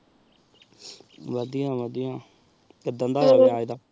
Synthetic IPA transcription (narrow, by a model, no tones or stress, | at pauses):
ʋəd̪ɪjãːʋəd̪ɪjãː | ɡəd̪ənd̪aːləɡaːid̪aː